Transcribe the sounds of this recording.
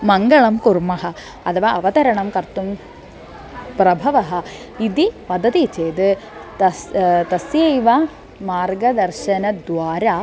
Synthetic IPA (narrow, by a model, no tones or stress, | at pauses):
mɐŋɡɐɭɐmkuɾmɐɦɐ̆ | ɐt̪ʰɐʋaɐʋɐt̪ɐɾɐɳɐmkɐɾt̪um | pɾɐbʱɐʋɐɦɐ̆ | id̪ipɐd̪ɐt̪it͡ʃeːd̪ɨt̪ɐst̪ɐsjɐjʋa | maːɾɡɐd̪ɐɾʃɐnɐd̪ʋaːɾaː